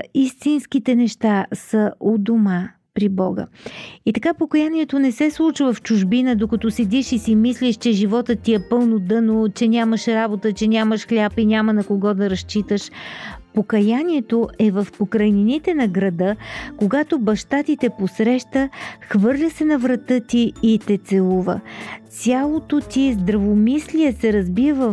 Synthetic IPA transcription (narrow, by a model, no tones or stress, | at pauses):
ist̪inskit̪ɛnɛʃt̪asəʔod̪oma | pɾibɔɡə̰it̪ɐkapokɐjaniɛt̪onɛsɛslˠut͡ʃəvɐft͡ʃʊʒbinəd̪okɐt̪ɔsɛd̪iʃisimislʲiʃt͡ʃɛʒivɔt̪ət̪ːiɛpɤlˠnod̪ɤnot͡ʃɛnʲaməʃɾabot̪ət͡ʃɛnʲaməʃxlʲapinʲamənɐkoɡɔd̪ɐɾɐʃt͡ʃit̪əʃpokɐjanʲiɛt̪oʔɛvɐfpokɾɐjninit̪ɛnɐɡɾɐd̪ɤkoɡat̪obɐʃt̪at̪it̪ɛposɾɛʃt̪əxvɤɾlʲəsɛnɐvɾɐt̪ɤt̪iːt̪ɛt̪sɛlˠuvə̰t̪sʲjalˠot̪ot̪izd̪ɾɐvomislʲiɛsɛɾɐzbivə